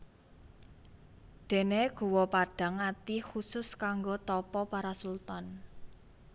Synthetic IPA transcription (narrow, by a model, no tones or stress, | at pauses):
d̪̥e̤neɡ̥ṳwɔpaɖ̥a̤ŋat̪ixusʊskaŋɡot̪ɔpɔpaɾasult̪ɔn